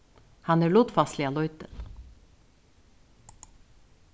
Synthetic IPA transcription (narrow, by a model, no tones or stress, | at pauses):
hɑnəɭut̪fɑst̪lɪɑlɔʏt̪əl